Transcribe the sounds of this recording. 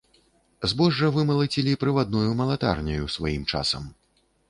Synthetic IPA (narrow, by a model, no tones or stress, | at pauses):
zbɔʐːɐvɨmɐlˠɐt͡sʲilʲipɾɨvad̪̚nɔjumɐlˠat̪a̰rnʲɐjusvajimt͡ʂa̰sɐ̰m